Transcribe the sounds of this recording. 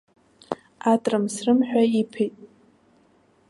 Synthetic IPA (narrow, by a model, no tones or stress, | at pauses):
atʼrɨmsrɨmħᶣaipʰejtʼ